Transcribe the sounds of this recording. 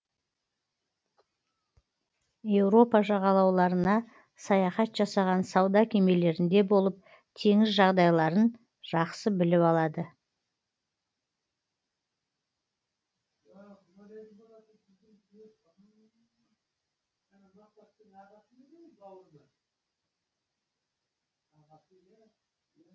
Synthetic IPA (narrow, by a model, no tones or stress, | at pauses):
je̞wɾo̞pɑʒɑʁɑlˠɑwlˠɑɾənɑ | sɑjɑχɑt̪ʒ̥ɑsɑʁɑnsɑwd̪ɑkʲʰe̞me̞le̞ɾɪnd̪e̞bo̞lˠəp̚ | t̪ʰe̞ŋɪzʒɑʁd̪ɑjlˠɑɾən | ʒ̥ɑqsəbɪlɪpɑlˠɑd̪ə